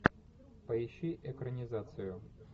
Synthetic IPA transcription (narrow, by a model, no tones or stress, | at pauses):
pɐɪɕːiʔɛkɾənʲɪzat̪sɨjʊ